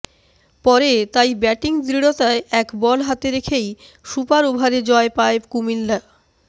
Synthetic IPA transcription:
pɔɾet̪ajbɛʈiŋd̪ɾiɽot̪aeʔɛkbɔlɦat̪eɾekʰej | ʃupaɾobʱaɾed͡ʑɔepaekumilːa

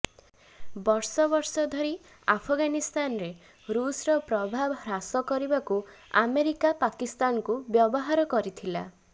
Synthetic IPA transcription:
bɔɾsɔbɔɾsɔd̪ʱɔɾi | apʰɔɡanist̪anɔɾe | ɾusɾɔpɾɔbʱabɾasɔkɔɾibakua̰meɾikapakist̪anɔkubjɔbɔɦaɾɔkɔɾit̪ʰila̰

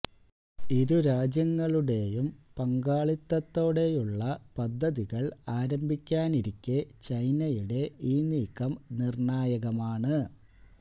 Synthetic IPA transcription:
iɾuɾaːd͡ʑjɐŋːɐɭuɽe̞jumpɐŋɡaːɭit̪ːɐt̪ːo̞ːɽe̞juɭːɐpɐd̪ʱːɐðiɣɐɭaːɾɐmbʱikʲːaːniɾikʲːet͡ɕɐjnɐjuɽe̞iːniːkːɐmnirɳaːjɐɣɐmaːɳɨ

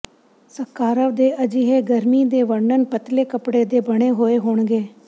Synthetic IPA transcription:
səkːaːɾəʋd̪eːʔəd͡ʒiːɦeːɡəɾmiːd̪eːʋəɳɖənpət̪leːkəpɽeːd̪eːbəɽ̃eːɦoːeːɦoːɳɡeː

